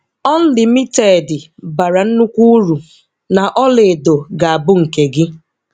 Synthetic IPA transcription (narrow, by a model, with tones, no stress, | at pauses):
ɔ˦n̩˦lɪ˨mi˦te˨dɪ˨ba˨ɾa˨n̩˦nu˦kʷu˦u˦ɾu˨ | na˨ʔɔ˦le˨do˨ɡa˨a˨bʊ˦ŋ̩˨ke˨ɡɪ˦